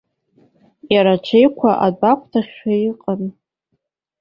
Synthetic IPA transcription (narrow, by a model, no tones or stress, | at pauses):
jaɾaʈ͡ʂʷʰejkʷʰaʔadakʷʰtʰaχʲaiqʼan